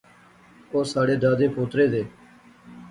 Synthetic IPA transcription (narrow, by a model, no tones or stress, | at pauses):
oːsaːɽeːd̪aːd̪eːpʰoːt̪ɾeːd̪eː